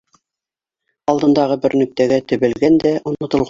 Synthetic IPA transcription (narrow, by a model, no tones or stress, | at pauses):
ɑlˠd̪ɤ̆nd̪ɑʁɤbɘ̆ɾnɵ̆k̚t̪æɡæt̪ɘ̆βɘ̆lɡænd̪æʔŏnŏt̪ɤ̆lˠʁ